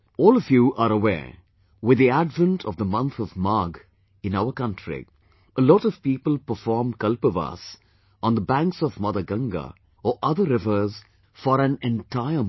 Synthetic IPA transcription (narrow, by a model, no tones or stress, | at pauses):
ɔːlˠɔvjuʔaɾəwɛ̰ː | wɪd̪iæɖvə̃nʈʰɔvðəmʌ̃nt̪ɔvmaɡ | ɪ̃naʊəkʌ̃ntʰɹḭ | ʔəlɔːɾɔv̥piːpəl̩ˠpəfɔːɹmkʌlpəva̰s | ɔ̃nd̪əbæ̃ŋksɔvmʌd̪əɡʌ̃ŋɡə̰ | ɔʔʌðəɾɪvəz | fɔɾæ̃nɛ̃ntʰaɪə